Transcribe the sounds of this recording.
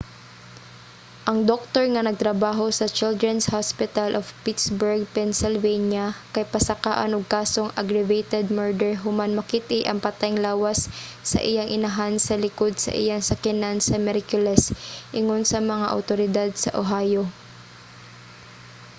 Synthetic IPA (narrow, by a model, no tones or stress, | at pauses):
ʔɐŋd̪ok̚t̪oɹŋɐnɐɡ̚t̪ɾɐbaːɦo̞sɐt͡ʃɪld̪ɹɛnshaspɪt̪ɐlʔovpit̪sbɛɹɡ̚pɛnsɪlvejnjakɐjpɐsɐkaːʔa̰nʊɡ̚kaːsoŋʔɐɡɾɛvejt̪ɛd̪̚mɛɹd̪ɛɹɦʊmanmɐkit̪ɪʔɐŋpɐt̪ajŋlaːwɐsːɐ̰ʔɪjaŋʔɪnɐɦansɐlɪkod̪̚sɐ̰ʔɪ̰jaŋsɐkɪnansɐmɛɾkjʊlɛsʔɪŋonsɐmɐŋaʔɐ̰wt̪oɾɪd̪ad̪̚sɐ̰ʔoɦaːjo